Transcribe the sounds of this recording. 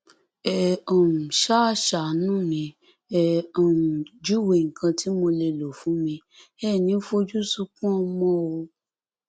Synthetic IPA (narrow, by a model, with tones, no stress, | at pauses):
ɛ˧ɔ̃˨m̩˨ʃa˦˨ʃa˨˦nũ˦mĩ˧ | ɛ˧ɔ˨d͡ʒu˦˨we˨ŋ̩˨kã˧tʰi˨˦mo˧le˧lo˨fũ˨˦mĩ˧ | ɛ˦˨nĩ˨˦fo˦d͡ʒu˦su˦kũ˦ɔ˧mɔ̃˦o˧